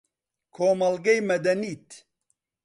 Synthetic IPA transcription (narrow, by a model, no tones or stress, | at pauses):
kʰoːmɐlɡejmɐd̪ɐnit̪